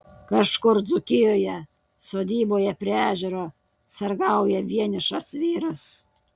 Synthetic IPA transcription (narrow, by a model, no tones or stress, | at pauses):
kɐʃkʊɾd̪zʊkʲɪjoːjɛ | soːd̪ʲiːboːjɛpʲɾʲæːʒʲɛɾoː | sɐɾɡɐˑʊjɛʋʲiɛnʲɪʃɐsʋʲiːɾɐs